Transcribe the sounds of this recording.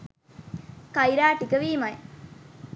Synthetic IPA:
kɐjiɾaːʈikəʋiːmɐj

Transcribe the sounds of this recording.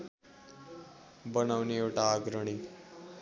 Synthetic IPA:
bʌnawniewʈaːɡɾəɽ̃i

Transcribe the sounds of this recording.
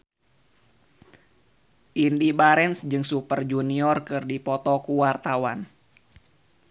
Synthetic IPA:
ʔindibaɾɛnsd͡ʒɨŋsupərd͡ʒuniɔrkɨrdipɔt̪ɔkuwart̪awan

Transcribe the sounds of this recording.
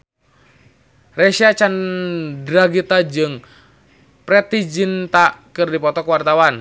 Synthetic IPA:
rɛʃiat͡ʃandɾaɡit̪ad͡ʒɨŋ | pɾɛt̪id͡ʒint̪akɨrdipɔt̪ɔkwart̪awan

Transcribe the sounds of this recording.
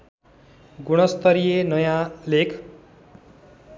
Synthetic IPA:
ɡuɽ̃ʌst̪ʌɾijenʌjãlekʰ

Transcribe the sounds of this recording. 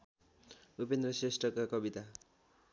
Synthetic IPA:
upend̪rʌsresʈrʌkakʌbit̪a

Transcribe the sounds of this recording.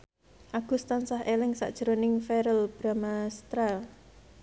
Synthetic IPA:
ʔaɡ̥ṳst̪ansahelɪŋsa̰ʔd̥ʒ̥əɾonɪŋfeɾəlb̥ɾamast̪ɾal

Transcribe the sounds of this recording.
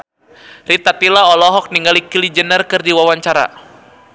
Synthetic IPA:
rit̪at̪ilaɔlɔɦɔk̚niŋɡalikilid͡ʒənərkɨrdiwawaɲt͡ʃaɾa̰

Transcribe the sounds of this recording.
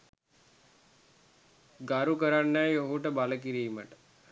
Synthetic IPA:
ɡaɾukəɾanːɛjoɦuʈəbaləkiɾiːməʈə̥

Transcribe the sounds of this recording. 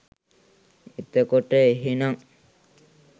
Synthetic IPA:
it̪əkoʈːəeɦinaŋ

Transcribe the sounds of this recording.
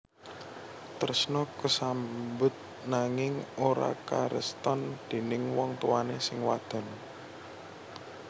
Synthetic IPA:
t̪ərsnɔkəsambʊt̪̚ | naŋɪŋoɾa̰kaɾʔə̰st̪ɔnd̪̥e̤nɪŋwɔŋt̪uwanesɪŋwad̪̥ɔ̤n

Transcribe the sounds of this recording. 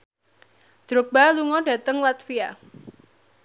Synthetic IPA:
d̪̥ɾok̚b̥aluŋɔɖ̥ä̤t̪əŋlat̪fia

